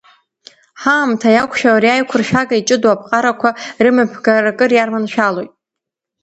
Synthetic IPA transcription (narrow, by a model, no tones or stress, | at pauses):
ħaːmtʰajakʷʰʃᶣawɾiajkʷʰʊrʃᶣaɡait͡ʃʼɨdwapʰqʼaɾakʷʰarɨmɨpʰɡarakʼɨrjarmanʃᶣalo̞jtʼ